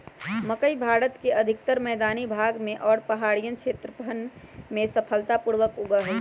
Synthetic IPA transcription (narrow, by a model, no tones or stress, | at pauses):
məkəibʱaːɾət̪keəd̪ʱɪk̚t̪əɾmɛːd̪aːnibʱaːɡmẽʔɔːɾpəɦaːɽijənt͡ʃʃʰeːt̪ɾəpənmẽsəpʰəlt̪apuɾʋəkʊɡəɦɛ